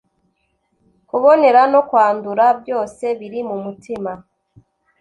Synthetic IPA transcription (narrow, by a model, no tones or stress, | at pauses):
kuβo̞ne̞ɾano̞kwaːnduɾabjo̞ːse̞βiɾimumutʰima